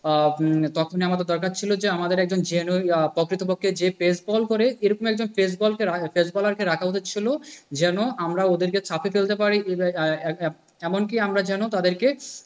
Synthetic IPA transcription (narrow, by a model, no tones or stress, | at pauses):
t̪ɔkʰoniamat̪ed̪ɔɾkaɾt͡ɕʰilod͡ʑeamad̪eɾɛk̚d͡ʑond͡ʑenopɔkɾit̪obokʰːed͡ʑepesbɔlkoɾeeɾɔkomɛk̚d͡ʑonfes̬bɔlkefesbɔlaɾkeɾakʰaut̪ʰet͡ɕʰilod͡ʑɛnoʔamɾaod̪eɾket͡ɕʰapʰefelt̪epaɾi | ɛmoŋkiamɾad͡ʑɛnot̪ad̪eɾke